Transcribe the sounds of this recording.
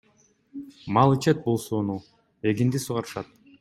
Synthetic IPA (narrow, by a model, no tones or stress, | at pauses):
mɑlˠɯt͡ʃet̪̚bolˠsoːnu | e̞ɡind̪isuʁɑɾɯʃɑt̪̚